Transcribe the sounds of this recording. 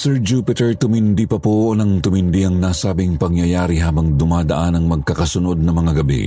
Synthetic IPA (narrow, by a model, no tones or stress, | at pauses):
sɛɹd͡ʒuːpɪt̪ɛɹt̪ʊmɪnd̪ipɐpoonɐŋt̪ʊmɪnd̪iɐŋnaːsaːbɪŋpɐŋjɐjaːɾiɦaːbɐŋd̪ʊmaːd̪ɐʔanɐŋmɐɡ̚kɐkɐsʊno̞d̪̚nɐŋmɐŋaɡɐbḭ